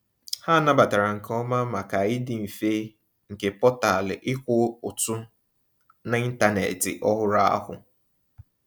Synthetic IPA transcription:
ha˦˨na˦ba˨ta˨ɾa˨ŋ̩˨kɔ˦ma˦ma˨ka˨ɪ˦dɪ˨m̩˨fe˦ | ŋ̩˨ke˨pɔ˦ta˨lɪ˨ʔɪ˦kʷʊ˦ʊ˨tʊ˦ | na˨i˦n̩˦ta˦nḛ˨tɪ̰˨ʔɔ˦ɦʊ˦ɾa˦a̰˦ɦʊ̰˨

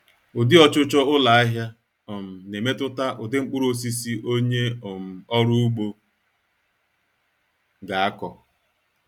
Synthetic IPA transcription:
ʊ˨dɪ˦ɔ˦t͡ʃʊ˦t͡ʃɔ˦ʊ˦la˨a˦ɦja˦ | ɔ˨m̩˨ne˨me˦tʊ˦ta˦ʔʊ˨dɪ˦ŋ͡m̩˦k͡pʊ˦ɾo˦s̬i˦si˦ʔo˦ɲe˦o˨m̩˨ɔ˦ɾu˦u˦ɡ͡bo˦ | ɡa˨a˦kɔ˨

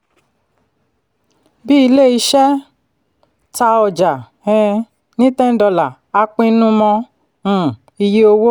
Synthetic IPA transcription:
bi˦i˧le˦˨i˧ʃɛ˦ | ta˧ɔ˨d͡ʒa˨ | ɛ̃˧ | nĩ˦tɛ̃˦n̩˦dɔ˧la˨ | a˧k͡pĩ˧˦nũ˦mɔ̃˧˨ | i˧je˦o˧wo˦

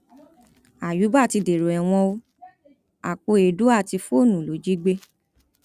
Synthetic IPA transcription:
a˨ju˨˦ba˦˨ti˧de˨ɾo˨ɛ˨w̃ɔ̃˧o˧ | a˨k͡po˧e˨du˨˦a˦˨ti˧fo˦˨nũ˨lo˨˦d͡ʒi˦ɡ͡be˧˦

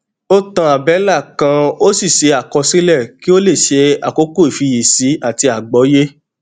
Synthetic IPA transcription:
o˦tã˧a˨bɛ˨˦la˦˨kã˧o˦si˦˨ʃe˧a˨kɔ˧sĩ˦lɛ˦˨ki˦o˦le˦˨ʃe˧a̰˨ko˨˦ko˦i˨fi˧je˨si˨˦a˦˨ti˧a˨ɡ͡bɔ˨˦je˦

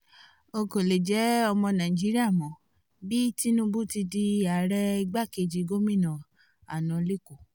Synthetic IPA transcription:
o˧ko˨le˨d͡ʒɛ˨˦ɔ˧mɔ̃˧nã˨i˨d͡ʒi˨˦ɾi˦a˦˨mɔ̃˨ | bi˦ti˦nũ˧bu˦ti˧di˧a˨˦ɾɛ˧i˧ɡ͡ba˦˨ke˧˨d͡ʒi˨˧˦ɡo˦mĩ˦˨nã˨ | a̰˨nã˨le˦˨ko˨

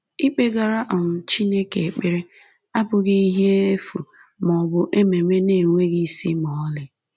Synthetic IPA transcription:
i˦k͡pe˦ɡa˨ɾa˦ʔɔ˨n̩˨t͡ʃi˦ne˦ke˨k͡pɪ˦ɾɪ˦ | a˦bʊ˨ɡi˦i˦ɦe˦e˦fu˨ | mɔ˨bʊ˦ʔe˦me˨me˦ne˨ŋʷe˦ɡɪ˦˨si˦mɔ˨˦lɪ˨

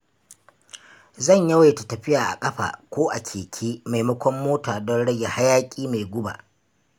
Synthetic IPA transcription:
zɐ˦˨ɲjɐ˦wa˨ta˨tɐ˨ɸɪ˦jaː˨ʔa̰˨kʼɐ˦ɸa̰ː˨kʷoː˦ʔa˨kʲʰeː˨kʲʰeː˦ma˨jmɐ˦kʷɔ˦mːoː˦taː˨dɔ˦nɽɐ˦ja˨ha˦jaː˦kʲʼiː˦ma˨jɡʷʊ˦ba̰ː˨

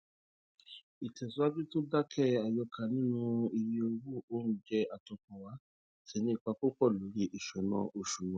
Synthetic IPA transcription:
i˨tɛ˨su˨˦a˦bi˦to˦da˦kʰɛ˦a˨jɔ˧kʰa˨nĩ˦nũ˦i˧ɾi˧o˧wu˦˨o˦n̩˦d͡ʒɛ˦a˨tɔ˧kɔ˨wa˨˦ | ti˨˦nĩ˦i˦˨k͡pa˧k͡po˦k͡pɔ˦˨lo˨˦ɾi˦˨ʔi˨ʃɛ˨˦nã̰˧ʔo˧ʃu˨wã˨˦

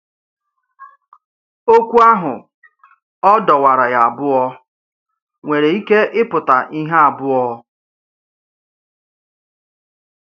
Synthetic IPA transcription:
o˦kʷu˦a˦ɦʊ˨ | ɔ˦dɔ˨wa˨ɾa˨ja˨a˨bʊ˦ɔ˦ | ŋʷe˨ɾe˨i˦ke˦ʔɪ˦pʊ˨ta˨ʔi˦ɦa˦a˨bʊ˦ɔ˦

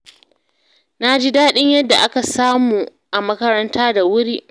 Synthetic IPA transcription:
na˦d͡ʒiː˦daː˦ɗɪ˦ɲjɐ˦dːa˨ʔa˦ka˨saː˦muː˨ | ʔa˨mɐ˦kɐ˦ɾɐ˦ntʰaː˦da˨wʊ˦ɾiː˦ʔ

